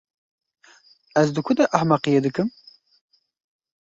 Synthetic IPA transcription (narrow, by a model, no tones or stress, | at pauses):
ɛzd̪ɨkʰʊd̪ɛʔɑhmɑqijed̪ɨkɨm